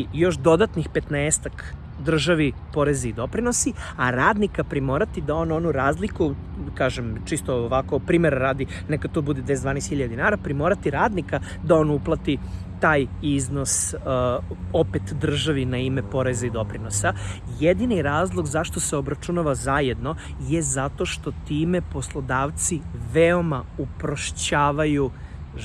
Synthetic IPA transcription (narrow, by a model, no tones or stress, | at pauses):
jo̞ʃd̪o̞d̪at̪nixpet̪neːst̪ak | d̪r̩ʒaʋipo̞ɾezaid̪o̞pɾino̞siaɾaːd̪nikapɾimo̞ːɾat̪id̪ao̞ːno̞nuɾaːzliku | kaːʒemt͡ʃist̪ooʋakopɾimeɾaɾaːd̪i | nekat̪obud̪ed̪ʋesd̪ʋaːnest̪xiʎad̪inaːɾapɾimo̞ːɾat̪iɾaːd̪nika | d̪ao̞ːnuplˠat̪i | t̪aːjizno̞s | o̞pet̪d̪r̩ʒaʋinaime̞po̞ɾezaid̪o̞pɾino̞sajed̪iniɾaːzlˠo̞ɡzaʃt̪o̞seo̞bɾat͡ʃunaʋazajed̪no̞ | jezat̪o̞ʃt̪o̞t̪iːme̞po̞slˠod̪aːʋt̪siʋeo̞maupɾoʃt͡ɕaːʋaju